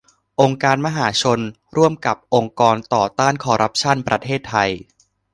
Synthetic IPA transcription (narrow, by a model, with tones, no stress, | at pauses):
ʔo˧ŋkaː˧nma˧ɦaː˩˦t͡ɕʰo˧n | ɾu˥˩əmka˨˩p̚ʔo˧ŋkɔː˧nt̪ɔː˨˩t̪aː˥˩nkʰɔː˧ɾʔa˦˥p̚t͡ɕʰa˥˩npɾa˧t̪ʰeː˥˩t̪ʰːa˧j